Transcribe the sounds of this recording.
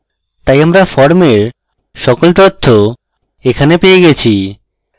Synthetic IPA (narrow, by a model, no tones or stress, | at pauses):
t̪ajamɾafɔɾmeɾ | ʃɔkolt̪ot̪ʰːo | ekʰanepejeɡɛt͡ɕʰi